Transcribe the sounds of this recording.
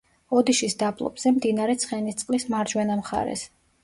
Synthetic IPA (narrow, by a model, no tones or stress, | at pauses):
ɔd̪iʃisd̪ablˠɔ̰bz̥ɛmd̪inaɾɛt̪sʰχɛnist̪sʼqʼlismaɾd͡ʒwɛnamχa̰ɾɛ̰s